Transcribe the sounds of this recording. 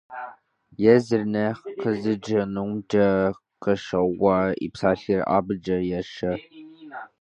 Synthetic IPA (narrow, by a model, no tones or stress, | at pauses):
jɛzɨrnɐqəzɨd͡ʒɐnumdɐ | qəʂɐwɐḭpsaːɬiːrʔa̰ːbɨd͡ʒɐjɛʂɐ